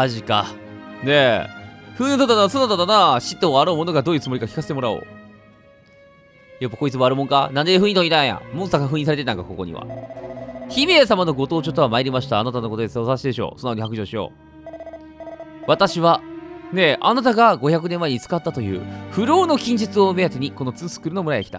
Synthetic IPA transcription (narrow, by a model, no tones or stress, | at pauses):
aʑika̰ | ne̞ | ɸɯ̟̃ɲĩot̪ot̪ːanasonat̪ad̪anaɕit̪ːoaɾoːmo̞no̞ɡad̪o̞ːjɯ̟t͡sɨmo̞ɾikakʲi̥kase̞t̪emo̞ɾao̰ | japːako̞it͡sɨmoaɾɯ̟mõ̞ŋkanãnd̪eɸɯ̟̃it̪oɲit̪aãjã̰mõsakaɸɯ̟̃ĩːs̬aɾe̞t̪e̞t̪aŋkako̞ko̞̰ɲ̟ḭβa̰ | çime̞samano̞ɡo̞t̪o̞ːt͡ɕot̪oamaeɾʲimaɕi̥t̪aːnat̪anoko̞t̪od̪esosaɕid̪e̞ɕo̞̰ːsonːaoihakɯ̟ʑoːɕijo̞̰ː | βat̪aɕiβane̞ʔanat̪aɡaɡo̞çak̬ɯ̟nemːaeɲ̟it͡sɨ̥kat̪ːat̪o̞jɯ̟̰ːɸɯ̟ɾo̞ːno̞kʲĩɲ̟d͡ʑɨt͡sɨo̞ɯme̞jat̪eɲ̟iko̞no̞t͡sɨːsɨ̥kɯ̟ɾɯ̟no̞mɯ̟ɾajḛkʲi̥t̪a̰